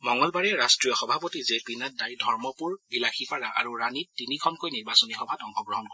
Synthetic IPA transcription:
mɔŋɔlbaɹɛɹastɹijɔxɔbʱapotizepinat̚daɹidʱɔɹmɔpuɹbilaxʰipaɹaʔa̰ɹuɹanitinikʰɔnkojniɹbasɔnixɔbʱatɔŋxɔɡɹɔɦɔnkɔ

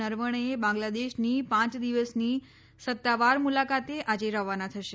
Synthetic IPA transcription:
əɾʋəɳ̃əebãŋɡlad̪eʃnipãt͡ʃd̪iʋəsni | sət̪ːaʋaɾmulakat̪eʔad͡ʒeɾəʋanat̪ʰəʃe

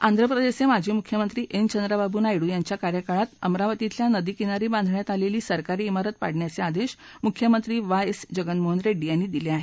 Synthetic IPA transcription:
ãnd̪ʱɾəpɾəd̪esemad͡ʑʱiːmukʰjəmənt̪ɾiːʔent͡ɕənd̪ɾababʱuːnajɽuːjaɲt͡ɕjakaɾjəkaɭat̪əmɾaʋət̪it̪ljanəd̪iːkinaɾiːbãnd̪ʱɳjat̪aleliːsəɾkaɾiːmaɾət̪̚pa̰ɽɳjat͡sead̪eɕ | mukʰjəmənt̪ɾiːʋajsd͡ʑəɡənmoɦənɾeɖːijanːiːd̪ileaɦe

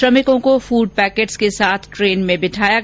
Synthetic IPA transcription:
ɾɐmɪkõkofuːɖ̚pɛːkeːʈskesaːt̪ʰʈɾeːnmẽbɪʈʰaːja

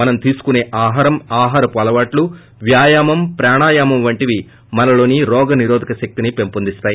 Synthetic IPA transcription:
mɐnɐmt̪iːsu̥kune̞ːʔaːɦaːɾɐmaːɦaːɾɐpɔːlɐʋaːʈlu | ʋjaːjaːmɐmpɾaːɳaːjaːmɐmʋɐɳʈiʋi | mɐnɐlo̞ːniɾɔːɡɐniɾoːd̪ʱikɐʃɐk̚t̪inipe̞mpund̪ist̪aːji

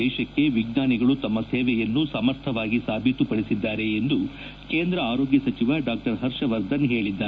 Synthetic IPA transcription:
ɛːʃɐkːe̞ʋiɡnaːniɡɐɭut̪ɐmːɐseːʋɛjɐnːusɐmɐɾt̪ʰɐʋaːɡisaːbʱit̪upɐɽisid̪ːaːɾe̞ːnd̪u | keːnd̪ɾɐaːɾoːɡjɐsɐt͡ʃiʋɐɖaːk̚ʈɐɾɦɐɾʃɐʋɐɾd̪ɐnɦe̞ːɭid̪ːaː

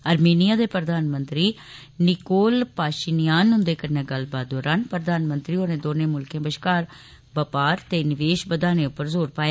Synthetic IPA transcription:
əɾmeːnijaːd̪eːpɾəd̪aːnmənt̪ɾiː | nɪkoːlpaːʃɪnijaːnɦʊ̃nd̪eːkəɾneːɡəlbaːt̪̚d̪ɔːɾaːnpɾəd̪aːnmənt̪ɾiːoːnẽːd̪oːnẽːmʊlkẽːbəʃkaːɾ | bəpaːɾt̪eːnɪʋeːʃbəd̪aːnẽːʊpːəɾzoːɾpaːjaː

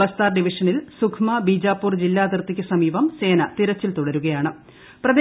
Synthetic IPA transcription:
ɐst̪aːrɖiʋiʂɐnilsukʰmɐbiːd͡ʑaːpːuːrd͡ʑilːaːd̪irt̪ːikʲːɨsɐmiːbɐmse̞ːnɐt̪iɾɐt͡ɕːilt̪uɽɐɾuɣɐjaːɳɨ | prɐð

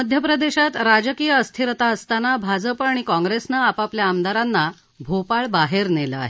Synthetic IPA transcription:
əd̪ʱjəpɾəd̪eɕat̪ɾad͡zəkijəːst̪ʰiɾət̪aəst̪anabʱad͡zəpəɳ̃ikɔ̃ŋɡɾesnaːpapljaːmd̪aɾanːa | bʱopaɭbaɦeɾneləa̰ɦe

